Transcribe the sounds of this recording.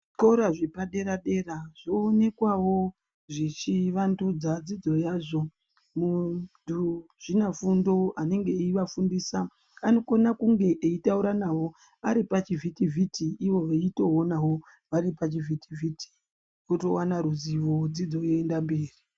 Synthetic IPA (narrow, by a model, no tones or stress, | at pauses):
ko̞ɾaʐepaɗe̞ɾaɗe̞raʐoːne̞kwawo̞ | ʐit͡ʃiʋandud͡zad͡zid͡zo̞jaːʐo̞ | muduʐ̥inafundo̞ane̞ŋɡe̞ːiʋafundisaː | no̞konakuŋɡe̞ʔeitauɾanawo̞ | aɾipat͡ʃivʱitivʱitʰiːʋo̞ʋeito̞onawo̞ | ʋaɾipat͡ʃivitivʱitʰi̥ | oto̞wanaɾuziʋo̞d͡zid͡zo̞jeːndambeːri